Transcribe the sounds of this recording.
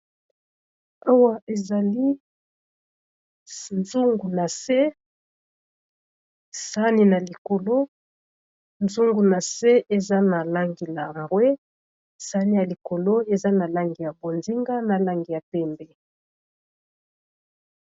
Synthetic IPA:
a˦wa˦e˨za˨li˦ | nzu˦ŋɡu˨na˨se˦ | sa˦ni˦na˨li˨ko˨lo˦ | nzu˦ŋɡu˨na˨se˦ʔe˨za˦na˨la˦ŋɡi˨la˨we˦ | sa˦ni˦ja˨li˨ko˨lo˦e˨za˦na˨la˦ŋɡi˨ja˨bo˨nzi˦ŋɡa˦na˨la˦ŋɡi˨ja˨pɛ˦mbɛ˨

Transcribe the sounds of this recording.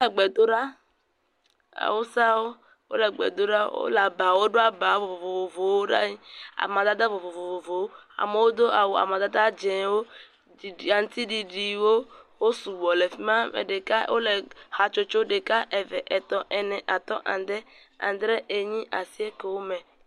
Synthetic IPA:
wo˦lɛ˨ɡ͡bɛ˨d̪o˦ɖa˦ | a̰˨wo˦sa˦wo˦ | wo̰˦lɛ˨ɡ͡bɛ̰˨d̪o˦ɖa˦wo̰˦la˨ba˨wo˦ɖo˦a˨ba˨˦vo˨vo˨vo˨vo˨vo˨wo˦ɖa̰˦a̰˨mã˨d̪a˦d̪a˦vo˨vo˨vo˨vo˨vo˨wo˦a̰˨me˨wo˦d̪o˦ʔa̰˨wo˨a̰˨mã˨d̪a˦d̪a˦d͡ʒɛ̃˨wo˦ | i˨a˨ŋ̩˦t̪i˦ɖi˨ɖi˨wo˦wo˦su˨wɔ˨le˨fi˦mã˦mḛ˨ɖe˨ka̰˦wo̰˦le˨ha˨t͡ʃo˦t͡ʃo˦ɖe˨ka˦ʔe˨vɛ̰˨ʔɛ˨t̪ɔ˨ʔɛ˨nɛ̃˨ʔa˨t̪ɔ̰˦ʔã̰˨nd̪ɛ˦ | ã̰˨d̪ɾɛ˦ʔe˨ɲĩ˦ʔa˨si˦e˦ke˨wo˦mɛ̃˨

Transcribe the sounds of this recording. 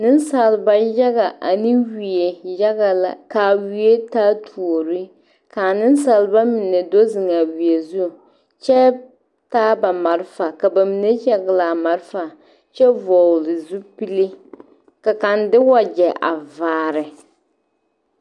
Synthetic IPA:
nɪ˦n˦sa˨lba˨ja˦ɡa˨ʔa˨nɨ˦wi˨e˨ja˦ɣa˨la̰˨kaː˨wi˨e˦taː˦tʰu˨o˨ɾi˦ | ka˨nɪ˦n˦sa˨lba˦mɪ˨nɛ˨do˦zɨ˨ŋa˨wi˨e˨zu˦˨ | t͡ʃɛ˦ | taː˦ba˨ma˨ɾfa˨ka˨ba˨mi˨nɛ˦ja˦ɡɪ˨la˨ma˨ɾfa˨ | t͡ʃɛ˦vɔ˨lɪ˨zu˦pi˦li˦ | ka˨ka˨ndɪ˦wa˨d͡ʒɛ˨ʔa̰˨vaː˨ɾɪ˨

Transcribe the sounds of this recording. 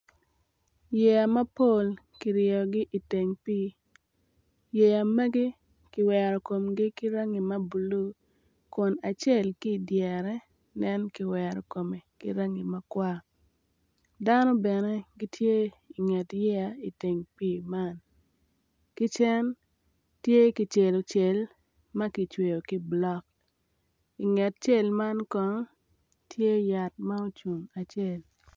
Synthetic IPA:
je˨ja˨mɐ˦po˦˨l | ki˨ɾɪɔ˨ɡɪ˦ʔi˨te˨ŋpiː˦ | je˨ja˨me˦ɡi˦ | kɪ˨wɛ˨ɾɔ˨ko˨mɡɪ˦kɪ˦ɾa˦ŋi˨mɐ˦bu˨lu˦ | kʊ˨na˨t͡ʃe˦˨lki˦˨djɛ˨ɾɛ˦ | nɛ˦nkɪ˨wɛ˨ɾɔ˨ko˨me˨kɪ˦ɾa˦ŋi˨ma˦kwa˦ | da˦no˦bɛ˨ne˦ɡi˦tʰje˦ | i˨ŋɛ˨tjɛ˦a˨i˨te˨ŋpiː˨ma˦n | ki˦t͡ʃɛ˦n | tje˦ki˨t͡ʃe˨lo˨t͡ʃe˨l | ma˦ki˨t͡ʃwe˨jo˨ki˦blɔ˦k̚ | i˨ŋɛ˨t̚t͡ʃe˦˨lma˦nkɔ˦ŋ | tʰje˦ja˨t̚ma˦o˦t͡ʃu˨ŋa˨t͡ʃe˦˨l

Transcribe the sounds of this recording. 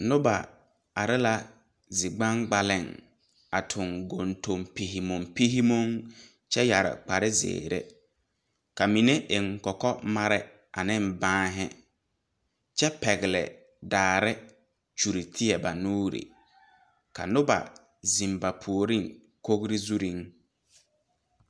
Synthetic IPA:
nʊ˦ba˨ | a˨ɾɪ˦la˦ | zɪ˨ɡ͡ba˦ŋɡ͡ba˨lɪ˦˨ŋ | a˨tʰʊ˨ŋɡo˨nto˨mpi˨ɦi˨mʊ˨mpi˦ɦi˦mo˦ŋ | t͡ʃɛ˦ja˨ɾɪ̰˨k͡pa˨ɾɪ˦zḛː˨ɾḛ˦ | ka˨mi˨ne˦ʔɪ˨ŋkɔ˨kɔ˦ma˦ɾɪ˦ | a̰˨nɪ˦mbãː˦ɦɪ˦ | t͡ʃɛ˦pɛ˨ɡɪ˨lɪ̰˨ | daː˨ɾɪ˦ | t͡ʃu˨ɾi˨tʰi˦ɛ˨ba˨nuː˦ɾḭ˨ | ka̰˨nʊ˦ba̰˨ | zĩ˨mba˨pʰu˨o˨ɾi˦˨ŋ | ko˦ɡɾi˦zu˦ɾi˦ŋ

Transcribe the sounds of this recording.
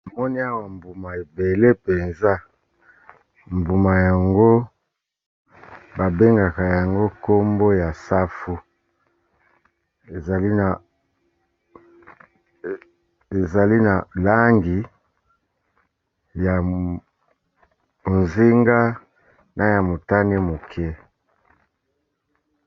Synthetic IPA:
a˨mɔ˦ni˦a˦wa˨mbu˨ma˨e˨be˨le˦pe˨nza˦ | mbu˨ma˨ja˨ŋɡo˦ | ba˨be˦ŋɡa˨ka˨ja˨ŋɡo˦ko˦mbo˦ja˨sa˦fu˦ | e˨za˨li˦na˨ | e˨za˨li˦na˨la˦ŋɡi˨ | ja˨ | mo˨nzi˦ŋɡa˦ | nʔa˨ja˨mo˨ta˦ne˦mo˨kʰɛ˦

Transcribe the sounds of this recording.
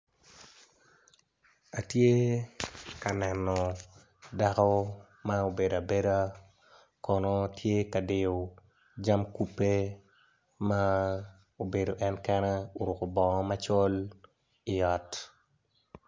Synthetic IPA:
a˨tje˦ | ka˨nɛnːɔ˨ | da˦kɔ˦ | ma˦o˨be˨da˨be˦ɾa˦ | kɔ˨nɔ˦tje˦ka˨de˨o˨ | d͡ʒa˦mku˦pːe˦ | ma˦ | o˨be˨do˨ʔɛ˦nkɛ˦nɛ˦o˨ɾʊ˨ko˨bɔ˨ŋɔ˦mat͡ʃɔ˦l | i˨jɔ˨t

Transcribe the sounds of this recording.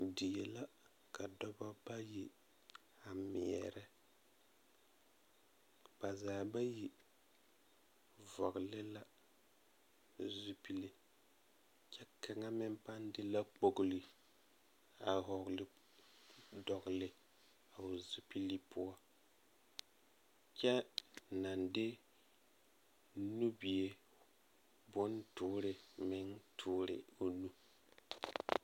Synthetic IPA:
di˨je˨la˦ | ka˨dɔ˦bɔ˦ba˦ji˦ | a˨mɪ̰˨ɛ̰˨ɾɛ˦ | ba˨zaː˨ba˦ji˦ | vɔ˨ɡʊ˨lɪ˦la˦ | zu˦pi˦li˨ | t͡ʃɛ˦ka˨ŋa˦mɪ˦mpa˦ndɪ˦la˦k͡po˨ɡʊ˨lɪ˨ | a˨ɦɔ˨ɡlɪ˦ | dɔ˨ɡlɪ˦ | a˨ʊ˨zu˨pi˦li˦pʰʊ˦ɔ˦ | t͡ʃɛ˦na˨ndɪ˦ | nu˦bi˨je˦ | bʊ˦ntʊː˦ɾɪ˨mɪ˦ŋtʰʊː˦ɾɪ̰˨o˨nu˦

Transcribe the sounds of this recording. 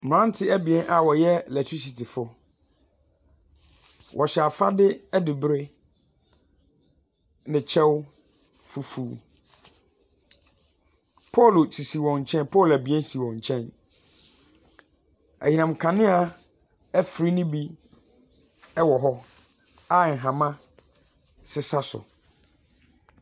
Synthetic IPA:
m˨ɾã˦n˦tʰɪ˦æ˦bi˨ɛ̃˦nʔa˨wɔ˨jɛ˦lɛ˨tʰi˦s̬i˨tʰɪ˨fʊ˦ | wʔɔ˨ɕɛ˨a˨fa˦dɪ˦ɛ˦dɪ˨bɾɪ˦ | nɪ̃˨t͡ɕʰɛ˦w | fu˨fuː˨˦ | pʰɔ˦˨lo˨t͡sʰi˨si˨wɔ̃˨ɲ˨t͡ɕʰɛ̃˦n˦pʰɔ˦˨læ˨bi˨˦ɛ̃˦n˦si˨wɔ̃˨ɲ˨t͡ɕʰɛ̃˦n | æ̰˨ɲĩ˨nã˨mkʰã˨nɪ̃˦a˨ | æ˦fɾi˦nĩ˦bi˦ | ɛ˦wɔ˨ɦɔ˦ | a˦˨ŋ̩˨ɦã˨mã˦ | sɪ˦sa˦sʊ̰˨

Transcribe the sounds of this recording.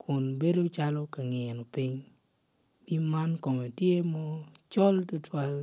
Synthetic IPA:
kʰʊ˨nbe˦do˦t͡ʃa˦lɔ˦ka˨ŋɪ˨nɔ˨pɪ˦ɲ | b̥i˦ma˦nkɔ˨me˨tje˦mɔ˦t͡ʃɔ˦ltʊ˦twa˦l

